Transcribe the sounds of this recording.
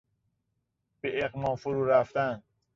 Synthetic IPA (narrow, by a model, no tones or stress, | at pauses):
b̥eʔeɣmɒːmfuɾuːɾæft̪ænd̪̥